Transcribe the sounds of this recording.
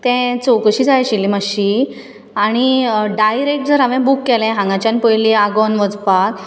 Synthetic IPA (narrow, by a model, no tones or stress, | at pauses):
t̪ɛ̃t͡sowkəɕiːd͡zʱajɕilːimaɕi | aɽ̃iɖajɾek̚ʈ̚d͡zəɾaʋɛ̃bukːɛlɛ̃ɦãŋɡat͡ɕjanpəjliaɡɔnʋəd͡zpak